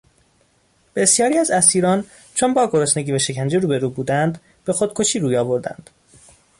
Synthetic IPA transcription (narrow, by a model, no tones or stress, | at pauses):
b̥e̞sjɒːɾiːæzæsiːɾɒːn | t͡ʃʰonbɒːɡo̞ɾosne̞ɟiːvæʃe̞cʰænd͡ʒeɾuːbe̞ɾuːbuːd̪ænd̪ | b̥e̞xod̪̥kʰo̞ʃiːɾuːjɒːbo̞ɾd̪æ̰nd̪̥